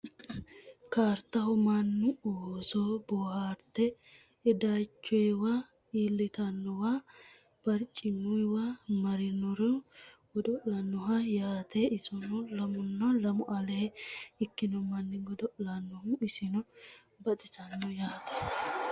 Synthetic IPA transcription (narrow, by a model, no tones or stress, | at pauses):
kaːɾt̪ːɐhɔmanːʊoːsɔbɔːhaːɾt̪ːɛ | ɛd̪ajt͡ʃːɔjwa | iːlːɪt̪ɐnːɔwa | b̥ɐɾt͡ʃʼːɪnːʊjwaːmɐɾɪnɔɾɛɡ̥ɔd̪ɔʔlɐnːɔɦɐjaːt̪eɪsɔnɔlɐmʊnːɐlɐmʊʔɐlɛhɪkːɪnɔmɐnːɪɡɔd̪ɔʔlɐnːɔhuɪsɪnɔ | bɐt̪ʼɪsɐnːɔjaːt̪ɐ̥